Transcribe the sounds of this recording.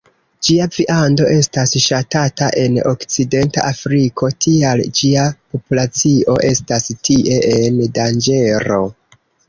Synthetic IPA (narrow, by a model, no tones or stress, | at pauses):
d͡ʒiaviʔando̞ʔe̞stasʃatataʔe̞no̞̰kt͡side̞nta̰ʔafɾikʰo̞tʰiald͡ʒiapo̞pulat͡sio̞ʔe̞stastʰiʔe̞ʔendand͡ʒe̞ɾo̞̰